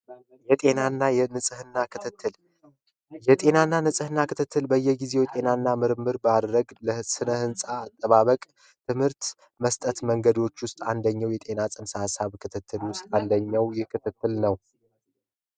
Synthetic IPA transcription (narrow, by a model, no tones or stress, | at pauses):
jɛt̪ʼe̞nanːajɛnɨsʼɨhɨnːakʰɨt̪ʰɨt̪ːɨl | jɛt̪ʼe̞nanːanɨsʼɨhɨnːakʰɨt̪ʰɨt̪ːɨlbəjːɛɡize̞wɛt̪ʼe̞nanːamɨɾɨmːɨɾbad̪ɾəɡləsɨnəhɨnsʼaːt̪ʼːəβaβəkʼ | t̪ʰɨmhɨɾt̪ | məst̪ʼət̪məŋɡəd̪o̞t͡ʃːwʊst̪ʼand̪əɲːawjɛt̪ʼe̞nasʼɨnsasaβkʰɨt̪ʰɨt̪ʰːɨlwʊst̪ʼand̪əɲːawjɛkʰɨt̪ʰɨt̪ːɨlnəw